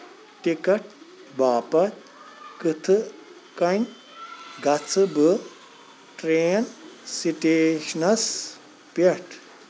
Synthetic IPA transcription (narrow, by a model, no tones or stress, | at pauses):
ʈikɐʈ̚ | baːpɐt̪̚ | kɨt̪ʰɨ | kɐnʲ | ɡɐt͡sʰɨbə | ʈɾeːnsiʈeːʃnɐs | peʈʰ